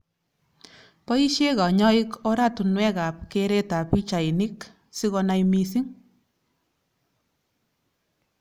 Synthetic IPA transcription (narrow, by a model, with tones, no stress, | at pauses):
pɔ˦i˦ʃe˦kɔ˨ɲɔ˦ikɔ˦ɾa˦tu˨nwɛ˦ka˨p̚keɾe˦ta˨pi˦t͡ʃa˨ini˦k | si˦ɣɔ˧na˦jmi˧si˦ŋ